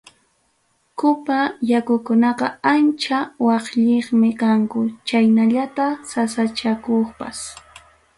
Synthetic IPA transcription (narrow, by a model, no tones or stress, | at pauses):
kʊpajakʊkʊnɑqɑant͡ʃawɑχʎeχmɪkaŋkʊt͡ʃajnaʎat̪asasat͡ʃakoχpas